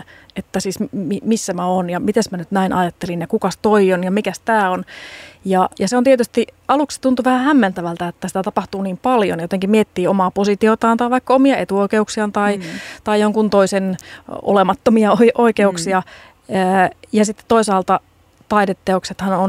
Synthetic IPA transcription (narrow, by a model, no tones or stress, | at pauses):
et̪ːæsiːsmimisːæmæoːnjɑmit̪esmænyt̪næinʔɑ̰jɑt̪ːelinjɑkukɑst̪oionjɑmikæst̪æːonjɑjɑseont̪iet̪yst̪iɑlukse̥t̪unt̪uʋæhæhæmːænt̪æʋælt̪æet̪ːæsi̥t̪æt̪ɑpɑht̪uːniːmpɑljo̰njot̪eŋkimmiet̪ːiːomɑːposit̪iot̪ɑːnt̪ɑːʋɑikːɑomiɑet̪uoikeuksiɑnt̪ɑit̪ɑijjoŋkunt̪oiseno̰lemɑt̪ːomiɑoiʔoikeuksiɑ | əːjɑsit̪ːe̥t̪t̪oisɑːlt̪ɑ | t̪ɑidet̪ːeokset̪hɑnon